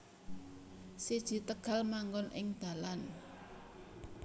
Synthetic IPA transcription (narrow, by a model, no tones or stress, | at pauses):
sid̥ʒ̥i̤t̪əɡ̥ä̤lmaŋɡɔnʔɪ̰ŋd̪̥ä̤lan